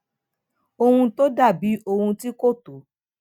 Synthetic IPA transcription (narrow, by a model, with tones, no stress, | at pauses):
o˧hũ˧to˦da˦˨bi˨˦ʔo˧hũ˧ti˦ko˦˨to˨˦